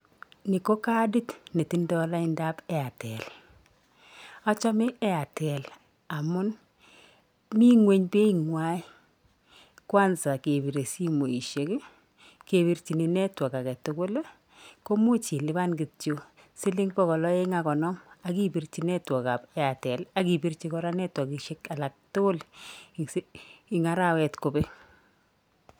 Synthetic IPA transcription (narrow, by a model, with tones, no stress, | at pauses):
ni˨ko˦ka˦di˦tne˨ti˦ndɔ˦la˦i˦nda˦pɛ˦a˨tɛ̰˨l | a˦t͡ʃa˦mɪ˦ɛ˦a˨tɛ˨l | a˨mʊ˦n | mi˦ŋwe˦ɲpe˦i˨ŋwa˦j | kwa˦nsa˨ke˨bi˨ɾe˨si˦mo˨i˨ʃe˨˦k | ke˨bi˨rt͡ʃi˨ni˨nɛ˦twɔ˨ka˨kɛ˨tʊ˦kʊ˦l | ko˦mo˦t͡ʃi˨lɪ˦ba˦nɡɪ˨o˨ | sɪ˦lɪ˦ŋpɔ˦kɔ˨lɔ˦e˦ŋa˨kɔ˨nɔ˦ma˨ki˦pi˨rt͡ʃi˨nɛ˦twɔ˨ka˨pa˨tɛ˨la˦ki˨pi˦rt͡ʃi˦kɔ˦ɾa˦nɛ˦twɔ˨ki˨ʃe˦ka˨la˨k̚tʊ˦ɡʊ˦lsɪ˨ŋa˨ɾa˦wɛ˨tko˨be˦